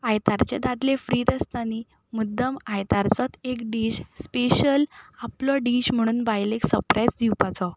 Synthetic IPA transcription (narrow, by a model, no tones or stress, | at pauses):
ajt̪aɾt͡ɕed̪ad̪lefɾiːɾəst̪ani | mud̪ːəmajt̪aɾt͡sɔt̪ekɖiːɕspeɕəlaplɔɖiːɕm̤əɽ̃uːnbajleksəɾpɾajd͡zd̪iwpat͡sɔ